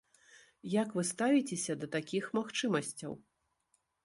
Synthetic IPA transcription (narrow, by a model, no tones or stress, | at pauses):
jakvɨst̪avʲit͡sʲesʲɐd̪ɐt̪akʲixmaxt͡ʂɨmɐsʲt͡sʲɐ̰w